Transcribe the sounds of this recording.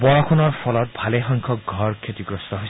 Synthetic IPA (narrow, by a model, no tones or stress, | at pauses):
bɔɹɔkʰunɔɹpʰɔlɔt̪̚bʱalexɔŋkʰɔkɡʱɔɾkʰet̪iɡɾɔst̪ɔɦoj